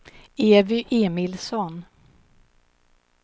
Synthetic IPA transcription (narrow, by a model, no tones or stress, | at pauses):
eːvɪʔeːmɪlsɔn